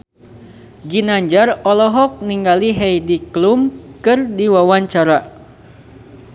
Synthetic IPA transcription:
ɡinaɲd͡ʒarɔlɔɦɔk̚niŋɡaliɦɛjdiklumkɨrdiwawaɲt͡ʃaɾa

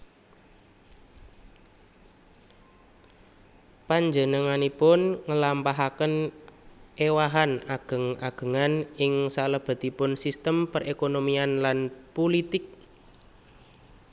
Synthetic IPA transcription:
paɲd͡ʒənəŋanipʊnŋəlampaɦakən | ʔewaɦanaɡ̥ə̤ŋa̰ɡ̥ə̤ŋanɪŋsaləb̥a̤t̪ipʊnsist̪əmpərekonomianlanpolit̪ɪk̚

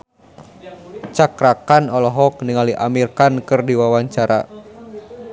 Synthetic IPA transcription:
t͡ʃakɾakanɔlɔɦɔk̚niŋaliʔamirkankɨrdiwawaɲt͡ʃaɾa̰

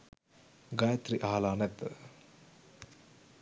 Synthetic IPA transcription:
ɡajɐt̪ɾiʔaɦlaːnɛd̪

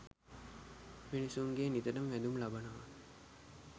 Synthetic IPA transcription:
minisuŋɡenit̪ɐɖɐmʋæd̪umlabɐnɐʋa

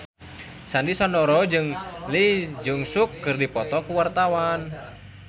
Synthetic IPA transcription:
sandisɔndɔɾɔd͡ʒɨŋlid͡ʒɨŋsukːɨrdipɔt̪ɔkuwart̪awan

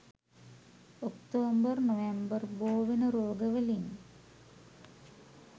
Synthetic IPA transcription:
okt̪oːmbərnoʋembərboːʋenəɾoːɡəʋəlin

